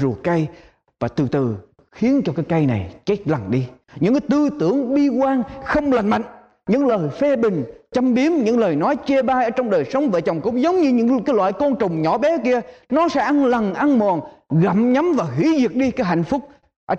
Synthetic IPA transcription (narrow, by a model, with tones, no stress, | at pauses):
zu˨˩əka˧j | vaː˨˩t̪ɨ˨˩t̪ɨ˨˩ | xi˨˦ənt͡ɕɔ˧kaː˨˦jka˧jna˨˩jt͡ɕe˦˥k̚la˨˩ŋɗi˧ɲɨ̰˧˥ŋkaː˨˦jt̪ɨ˧t̪ɨ˧˩əŋɓi˧kwaː˧ŋxə˧wŋ͡mla˨˩jŋ̟ma̰˧˨jŋ̟ | ɲɨ̰˧˥ŋləː˨˩jfe˧ɓï˨˩ŋ̟t͡ɕə˧mɓi˨˦əmɲɨ̰˧˥ŋləː˨˩jnɔ˨˦jt͡ɕe˧ɓaː˧jʔəː˧˦t͡ɕɔ˧wŋ͡mɗəː˨˩jsə˨˦wŋ͡mve˨˩t͡ɕə˨˩wŋ͡mkʊ̰˧˥ŋ͡mzə˨˦wŋ͡mɲɨ˧ɲɨ̰˧˥ŋkaː˨˦jlwa̰ː˧˨jkɔ˧nt͡ɕʊ˨˩ŋ͡mɲɔ˧˦ɓɛ˨˦ki˧ənɔ˨˦sɛ̰˧˥ʔa˧nla˨˩ŋʔa˧nmo˨˩nɣa̰˧˨mɲa˨˦mvaː˨˩ɦi˧˩˦zi˨˩ək̚ɗi˧kaː˨˦jɦa̰˧˨jŋ̟fʊ˦˥k͡p̚ | ʔə˧˩